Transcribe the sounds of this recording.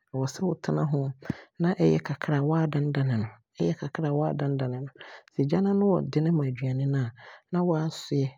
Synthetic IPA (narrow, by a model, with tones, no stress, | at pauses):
a˨wɔ˨sɛ˦wʊ˨tʰɪ˦nã˦ɦʊ̃˦nã˦ʔɛ˦jɛ˦kʰa˨kʰɾa˨wɔ˦a˦dã˦n˦dã˨nɪ̃˨nʊ̃˨ | ɛ˦jɛ˦kʰa˨kʰɾa˨wɔ˦a˦dã˦n˦dã˨nɪ̃˨nʊ̃˨sɛ˨d͡ʑa˦nã˦nʊ̃˦wɔ˨dɪ˦nɪ̃˦mã˨d͡ʑɥa˨nɪ̃˦nã˦˨nã˦wɔ˦a˦sʊ˦ɛ˦